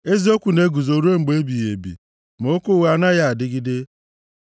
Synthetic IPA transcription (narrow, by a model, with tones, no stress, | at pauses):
e˦zi˦o˦kʷu˨ne˦ɡu˨zo˨ɾu˦e˦ŋ͡m̩˨ɡ͡be˦bi˨je˨bḭ˨ | mo˦kʊ˦˨ɣa˦na˦ja˦a˨dɪ˦ɡi˦de˦